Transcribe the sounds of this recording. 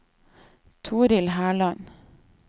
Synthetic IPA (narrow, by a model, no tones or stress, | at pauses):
t̪ʰuːɾɪlhæːɭɑn